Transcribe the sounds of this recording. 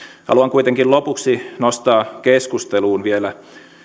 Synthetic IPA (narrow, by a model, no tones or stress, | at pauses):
hɑ̰luɑŋkuit̪eŋkillopuksinost̪ɑːkeskust̪eluːnʋielæ